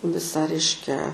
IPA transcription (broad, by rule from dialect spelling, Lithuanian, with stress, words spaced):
ˈʋʲɪsɑː ˈrʲɛɪʃʲkʲɛ